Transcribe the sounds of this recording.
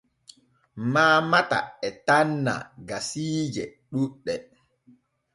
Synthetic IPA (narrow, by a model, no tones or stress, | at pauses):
maːmata̰ɛtanːa̰ɡasiːd͡ʒɛ | ɗuɗːɛ